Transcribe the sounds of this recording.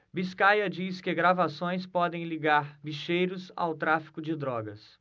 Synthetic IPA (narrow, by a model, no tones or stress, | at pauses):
biskajɐd͡ʒiskɪɡɾavasõj̃spɔd̪ẽj̃liɡaɾbiʃejɾʊsa̰wt̪ɾafi̥kʊd͡ʒɪd̪ɾɔɡɐs